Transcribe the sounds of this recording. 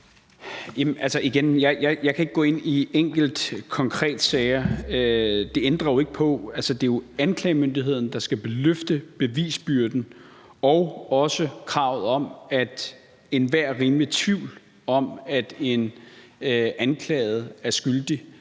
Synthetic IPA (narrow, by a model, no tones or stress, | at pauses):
jæmʔælsəʔiɡ̥enjɑ̈ɪjɑ̈ɪjɑ̈kʰæe̝ɡ̥̚ɡɔ̰̽ːe̝n̰ieŋ̰ɡ̥l̩d̥kʰɒ̽ŋkʰʁɛ̰ːd̥sɛɪɐød̥e̝end̥ʁɐjo̝e̝ɡ̥əpʰɒ̽ælsəd̥e̝jo̝ænkʰlɛːɪmønd̥iɦe̝ð̞̰ˠn̩d̥ɑ̈sɡ̥æb̥e̝løfd̥əb̥e̝ʋḭːsb̥yɐd̥n̩ | ɒʊɒ̽səkʰʁɑ̈ʊð̩ˠɒ̽mæd̥ | e̝nʋæɐ̰ʁiːmlit͡sʰʋiʊ̰l | ɒ̽mæd̥e̝n | ʔænkʰlɛ̰ːɪð̞̩ˠæɐsɡ̥yld̥i